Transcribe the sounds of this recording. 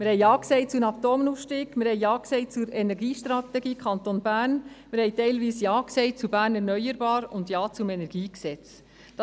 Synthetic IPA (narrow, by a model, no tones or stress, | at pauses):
mɪɾhɛɪɑːksɛɪt͡sunɑp̚t̪oːmnuːfʃtiːɡmɪɾhɛɪɑːksɛɪt͡suɾɛnɛɾɡiːʃtɾɑt̪ɛɡiːkʰχɑnt̪onbæːɾnmɪɾhɛɪtɛɪlʋiːsjɑːksɛɪt͡subæːɾnɛɾnœʏəɾb̥ɑːɾʊndjɑːt͡sumɛnɛɾɡ̥iːksɛt͡s | d̥ɑ